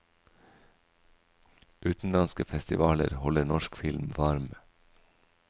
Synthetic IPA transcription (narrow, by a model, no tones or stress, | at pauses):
ʔʉːt̪n̩lɑnskəfɛst̪ɪʋɑːlə̰ɾhɔlənɔʃkfɪlmʋɑɾm